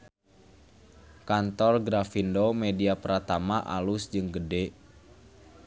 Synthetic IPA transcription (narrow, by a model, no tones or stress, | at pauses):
kant̪ɔrɡɾafindomediapəɾat̪amaʔalusd͡ʒɨŋɡədɛ